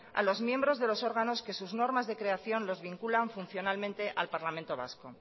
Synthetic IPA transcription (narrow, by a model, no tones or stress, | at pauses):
a̰lo̞zmjẽ̞mbɾo̞zðe̞lo̞so̞ɾɣano̞ske̞suzno̞ɾmazðe̞kɾe̞aθjo̞nlo̞zβiŋkulaɱfunθjo̞nalmẽnt̪e̞ʔalpaɾlamẽnt̪o̞β̞a̰sko̞